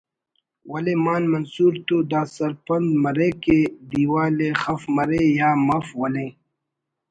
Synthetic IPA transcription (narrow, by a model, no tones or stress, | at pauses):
wɐleːmaːnmɐnsuːɾt̪oːd̪aːsɐɾpɐnd̪mɐɾeked̪iːwaːlexɐfmɐɾejaːmɐfwɐlẽː